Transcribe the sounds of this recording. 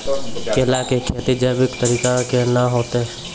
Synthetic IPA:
kelakekʰeːt̪id͡ʒaːbɪkt̪əɾiːkakenaɦoːt̪e

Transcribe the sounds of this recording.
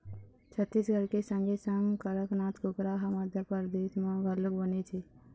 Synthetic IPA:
t͡ʃʰət̪ːisɡəɾkesə̃ŋɡesəŋkəɾəknaːt̪kʊkɾaɦaməd̪ʱjapəɾd̪et̪mãɡʱaləkbənet͡ʃʰe

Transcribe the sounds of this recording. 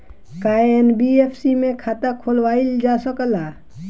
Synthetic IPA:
kaːenbieːpʰsimẽkʰaːt̪akʰoːlwaːild͡ʒaːsəkəlaː

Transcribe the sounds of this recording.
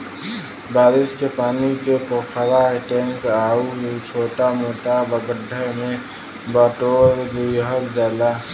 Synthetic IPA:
baːɾɪskepaːnikepoːkʰəɾaɦɛʈɛ̃ŋkaːut͡ʃʰoːʈamoːʈabəɡəɖʱːəmẽ | baʈoɾd̪ujɦəld͡ʒaːla

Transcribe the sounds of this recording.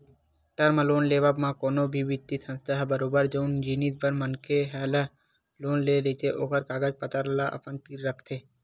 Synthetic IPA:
ʈɐɾməloːnleːʋabmãkoːnobʱiʋɪt̪ːisʰə̃nst̪əɦbəɾoːbəɾd͡ʒoːnd͡ʒiːnit̪̚bəɾmənkeɦɛːlə | loːnleɾt̪ʰeʔoːkəɾkaːɡəd͡ʒpət̪əɾlaʔɐ̰pənpiːɾːəkʰt̪ʰeː

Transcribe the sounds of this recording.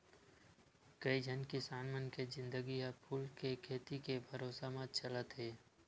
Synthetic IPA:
kɐid͡ʒʱənkisaːnmənkezɪ̃nd̪əɡiapʰuːlkekʰeːt̪ikebʱəɾoːsamãt͡ʃələt̪ɦeː

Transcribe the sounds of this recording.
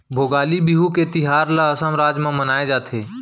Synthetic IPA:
bʱoːɡaːlibiɦuket̪ɪɦaːɾlaəsəmɾaːd͡ʒmẽmənaːed͡ʒaːt̪ʰeː

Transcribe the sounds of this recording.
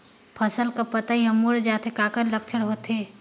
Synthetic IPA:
pʰəsəlkapət̪aɦiɦəmuɾd͡ʒaːt̪ʰekaːkəɾlək̚t͡ʃʰəɽɦoːt̪ɦeː

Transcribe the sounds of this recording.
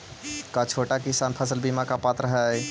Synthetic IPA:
kat͡ʃʰoːʈakɪsaːnpʰəsəlbimakapaːt̪ɾəɦɛ

